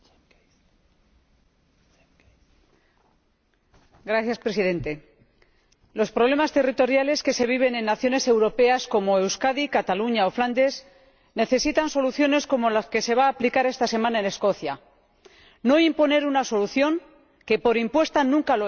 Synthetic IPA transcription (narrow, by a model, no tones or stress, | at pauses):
ɡɾaθjaspɾe̞siðe̞nt̪e̞ | lo̞spɾo̞β̞le̞mast̪e̞rit̪o̞ɾjale̞ske̞se̞β̞iβ̞e̞nẽ̞nːaθjo̞ne̞se̞wɾo̞pe̞asko̞mo̞e̞wskaðikat̪aluɲaofland̪e̞s | ne̞θe̞sit̪anso̞luθjo̞ne̞sko̞mo̞laske̞se̞β̞aːplikaɾe̞st̪ase̞mãnaene̞sko̞θja | no̞impo̞ne̞ɾunaso̞luθjo̞ŋ | ke̞po̞ɾimpwe̞st̪anũŋkalo